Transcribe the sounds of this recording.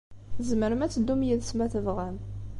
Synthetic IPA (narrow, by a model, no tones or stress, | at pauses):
zməɾəmæt͡sːəd̪ːumjiðsmæθəvʁæm